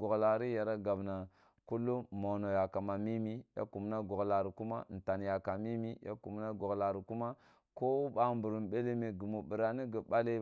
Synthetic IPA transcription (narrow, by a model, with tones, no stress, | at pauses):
ɡo˨ɡla˨ɾi˦ja˨ɾa˦ɡa˨bna˨ | ku˦lːu˦mo˨no˨ja˨ka˨ma˨mi˦mi˦ja̰˦ku˨m˦na˦ɡo˨ɡla˨ɾi˨ku˦ma̰˦n̩˨ta˨n˨ja˨ka˨mi˦mi˦ja̰˦ku˨mna˦ɡo˨ɡla˨ɾi˨ku˦ma˦ | ko˦u˦ba˨mbu˨ɾu˨mɓe˦le˦me˨ɡu˨mu˨bi˨ɾa˨ni˦ɡi˨ba˦le˦